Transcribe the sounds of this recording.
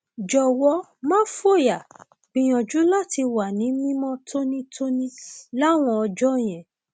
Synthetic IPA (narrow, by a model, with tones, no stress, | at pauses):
d͡ʒɔ˨wɔ˧˦ | mã˦fo˦˨ja˨ | bĩ˨j̃ɔ̃˨d͡ʒu˨˦la˦˨ti˧wa˨nĩ˨˦mĩ˦mɔ̃˦tʰo˦nĩ˦tʰo˦nĩ˦la˦˨w̃ɔ̃˧ɔ˧d͡ʒɔ˦j̃ɛ̃˨